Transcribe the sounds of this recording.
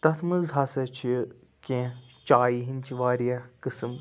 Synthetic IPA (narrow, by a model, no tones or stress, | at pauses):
t̪ɐt̪ʰmɨzɦɐsɐt͡ʃʰi | kʲẽt͡ʃaːjiɦint͡ʃʰiʋaːɾijɐkɨsɨm